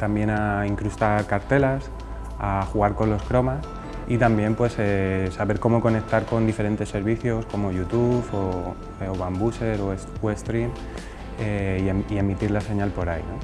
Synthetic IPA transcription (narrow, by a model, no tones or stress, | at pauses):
t̪ambje̞naiŋkɾust̪aɾkaɾt̪e̞las | axuɣaɾko̞nlo̞skɾo̞mas | it̪ambje̞mpwe̞sesaβe̞ɾko̞mo̞ko̞ne̞k̚t̪aɾko̞nd̪ife̞ɾe̞nt̪e̞sːe̞ɾβiθjo̞sko̞mo̞ʝut̪ufo | oβambuse̞ɾo | west̪ɾim | eieie̞mit̪iɾlase̞ɲalpo̞ɾajno̞